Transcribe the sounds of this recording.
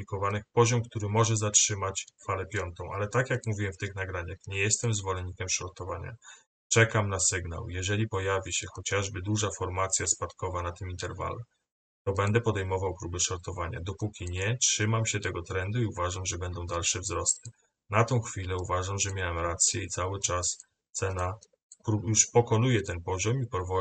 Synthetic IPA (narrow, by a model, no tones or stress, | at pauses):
pʲikɔvanɘxpɔʑɔmkt̪uɾɘmɔʐɛzatʂɘmat͡ɕfalɛpʲjɔnt̪ɔ̃w̃ʔalɛt̪akjakmuvʲiwɛmft̪ɘxnaɡɾaɲaxɲɛjɛst̪ɛmzvɔlɛɲːikʲɛmʂɔɾt̪ɔvaɲa̰ | t͡ʂɛkamnasɘɡna̰wjɛʐɛlʲipɔjavʲiɕɛxɔt͡ɕaʐbɘd̪uʐafɔɾmat̪sʲjaspat̪kɔvanat̪ɘmint̪ɛɾva̰lu | t̪ɔbɛnd̪ɛpɔd̪ɛjmɔvawpɾubɛʂɔɾt̪ɔvaɲa̰d̪ɔpukʲiɲɛtʂɘmamɕɛt̪ɛɡɔt̪ɾɛnd̪uiuvaʐamʐɛbɛnd̪ɔ̃w̃d̪alʂɛvzɾɔst̪ɘ | nat̪ɔ̃w̃xfʲilɛuvaʐamʐɛmʲjawɛmɾat̪sʲjɛit̪sawɘt͡ʂas | t̪sɛna | pɾujuʂpɔkɔnujɛt̪ɛnpɔʑɔmipɔɾvɔ